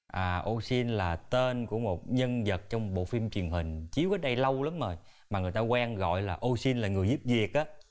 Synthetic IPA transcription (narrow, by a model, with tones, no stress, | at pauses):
ʔaː˨˩ʔo˧si˧nlaː˨˩t̪e˧nku˧˩əmo˨˩t̚ɲə˧nzə˨˩t̚t͡ɕɔ˧wŋ͡mɓo̰˧˨fi˧mt͡ɕwi˨˩ənɦï˨˩ŋ̟t͡ɕi˨˦əwkəː˨˦ɗa˧jlə˧wla˨˦mzə˨˩j | maː˨˩ŋɨ˨˩əjt̪aː˧kwɛː˧ŋɣɔ̰˧˨jlaː˨˩ʔo˧si˧nlaː˨˩ŋɨ˨˩əjzu˦˥p̚vi˨˩ək̚ʔaː˨˦